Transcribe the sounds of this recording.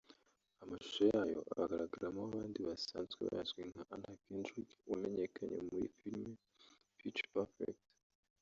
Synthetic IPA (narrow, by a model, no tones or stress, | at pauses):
amaʃu̥sojaːjo̞̰ʔa̰aɡaɾaɡaɾamoaβaːndiβasaːnzɡeβa̰jazɡwiŋhaʔanhakendikume̞ɲe̞kʰaɲḛmujifiɾme | fit͡ʃpafḛkt